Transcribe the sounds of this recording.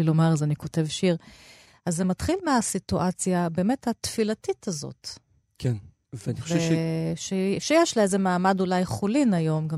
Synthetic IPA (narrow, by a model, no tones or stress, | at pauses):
ilo̞maʁazaniko̞te̞vʃiʁ | azːematχilmeasituʔat͡sjabe̞ːme̞thatfilatitazo̰t | kʰen | vniveʃeʃejeʃliezemaːmadulajχolinajo̞mɡa